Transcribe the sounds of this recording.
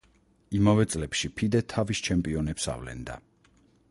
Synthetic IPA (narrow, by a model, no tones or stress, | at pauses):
imavɛt̪sʼlɛpʃipʰid̪ɛt̪ʰavist͡ʃʰɛmpʼiɔnɛpsa̰vlɛ̰nd̪a̰